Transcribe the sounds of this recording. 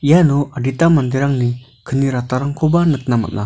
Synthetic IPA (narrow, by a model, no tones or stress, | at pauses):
janɔaɖitamand̪eɾaŋni | kʰɯniɾataɾaŋkʰobanɯk̚nama̰t̚nʔa̰